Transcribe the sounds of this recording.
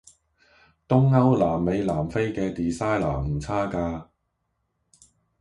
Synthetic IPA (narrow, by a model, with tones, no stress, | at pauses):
t̪ʊ˥ŋːɐ˥wlaː˨˩mːe˨˧jlaː˨˩mfe˥jkɛː˧t̪iː˨saː˥jlaː˨˩m̩˨˩t͡sʰaː˥kaː˧